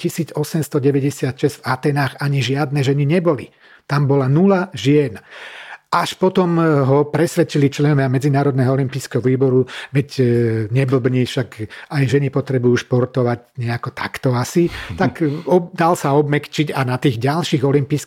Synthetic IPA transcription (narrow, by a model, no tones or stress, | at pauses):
cisiːd͡zɔsɛmst̪ɔɟɛʋɛɟɛsɪat̪ʃɛz̥vat̪ɛːnaːxaɲiʒɪad̪nɛʒɛniɲɛbɔli | t̪ambɔlanulaʒɪɛnʔaʃpɔt̪ɔmɦɔpɾɛsʋɛt͡ʃilit͡ʃlɛnɔʋɪamɛd͡zinaːɾɔd̪nɛɦɔɔlimpiːskɛɦɔʋiːbɔɾuʋɛcɲɛbl̩bɲifʃakajʒɛnipɔt̪ɾɛbujuːʃpɔɾt̪ɔʋaɟɲɛakɔt̪a̰kt̪ɔasit̪akɔd̪alsaɔbmɛkt͡ʃiɟanat̪iːɣɟalʃiːɣɔlimpiːs